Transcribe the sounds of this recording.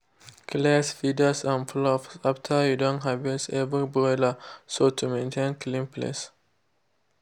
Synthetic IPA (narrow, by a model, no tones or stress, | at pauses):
kʰlɛsfidəsãnflɔfsaftʰəjudõnɦavɛsɛvɹibɔləsotʰumẽntʰẽnkʰlĩmpʰlḛs